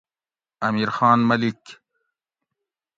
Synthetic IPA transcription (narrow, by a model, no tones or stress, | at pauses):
ɐmiːɾxɑːnmɐlik